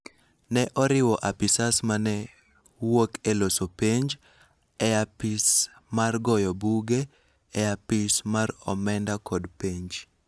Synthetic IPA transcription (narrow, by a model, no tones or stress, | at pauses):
nɛʔɔɾɪwɔʔapɪsasmanɛ | wokelosopeɲd͡ʒ | ɛapɪs | marɡɔjɔbuɡe | ɛapɪsmaɾɔ̰mɛndakɔdpeɲd͡ʒ